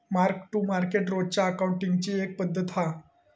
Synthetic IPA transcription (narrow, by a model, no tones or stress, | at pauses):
maɾkʈːumaɾkeʈɾod͡ʑt͡ɕjaəkawɳʈiŋɡt͡ɕiːek̚pəd̪ʱːət̪a